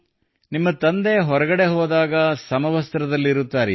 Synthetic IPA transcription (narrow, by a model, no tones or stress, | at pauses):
nimːɐt̪ɐnd̪e̞ɦɔɾɐɡɐɽe̞ɦɔːd̪aːɡɐsɐmɐʋɐst̪ɐɾɐd̪ɐlːiɾut̪ːaːɾɛ